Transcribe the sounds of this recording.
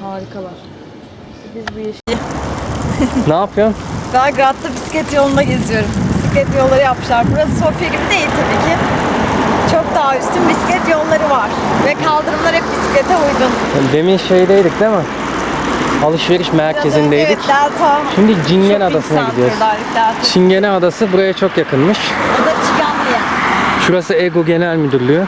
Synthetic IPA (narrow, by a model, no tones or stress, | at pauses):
t̪aːɾikʰalˠaɾ̥ | bizbujeʃij | naːpʰɯjond̪aːɡɾat̪lˠɯbisi̥cɛt̪jo̞nˠund̪aɟezd̪ijo̞ɾumbisicɛt̪jollˠaɾɯjap̚mɯʃlˠaɾbuɾasso̞fjaɟibid̪e̞jilʲt̪ʰabiːcʰɪ | t͡ʃʰok̚d̪aɦayst̪ʰynbisi̥cɛt̪jonlˠaɾɯvaɾ̥vɛkʰalˠd̪ɯɾɯmlˠaɾhɛpbisi̥cʲlʲet̪ʰɛujd̪un | d̪e̞minʃejid̪ejd̪ʲic̚d̪emɛ | alˠɯʃve̞ɾiʃmæɾcʰe̞zind̪ejd̪icænt̪ʰaʃimd̪id͡ʒiɲɟɛnad̪asɯnaid̪ijoɾælʲːicʲlʲæɾt͡ʃʰiɲɟenɛad̪asɯbuɾajat͡ʃʰo̞kjakɯnmɯʃjod̪at͡ʃʰikanijɛʃuɾasɯeɡoɟe̞nælʲmyd̪yɾlʲyjy